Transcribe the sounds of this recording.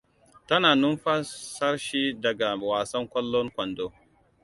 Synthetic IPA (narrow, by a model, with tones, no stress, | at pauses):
tɐ˦naː˨nʊ˦mɸa˦sɐ˦rʃi˦dɐ˨ɡa˨waː˨sɐ˦ŋkʷɔ˦lːɔ˦ŋkʷɐ˨ndoː˦